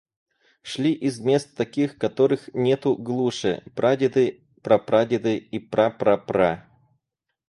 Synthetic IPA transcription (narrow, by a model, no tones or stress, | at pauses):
ʂlʲiʔizmʲe̞st̪t̪ːɐkʲixkɐt̪oɾɨxnʲet̪ʊɡlˠuʂɨ̰pɾadʲɪd̪ɨ | pɾɐpɾadʲɪd̪ɨipɾapɾɐpɾa